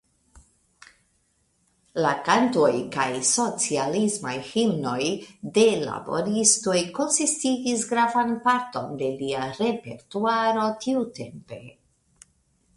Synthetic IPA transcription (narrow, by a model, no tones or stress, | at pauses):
lakanto̞jkajso̞t͡sialismajhimno̞jde̞la̰bo̞̰ɾisto̞jko̞nsistiɡisɡɾavanpaɾto̞nde̞liaɾe̞pe̞̰ɾtuaɾo̞tiute̞mpe̞